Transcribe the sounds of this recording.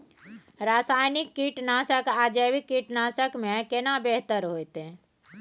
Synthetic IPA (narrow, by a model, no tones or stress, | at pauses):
ɾaːsaːjnɪkːiʈnaːsəkaːd͡ʒeʋikːiʈnaːsəkmẽkenabeɦt̪əɾɦoːjt̪e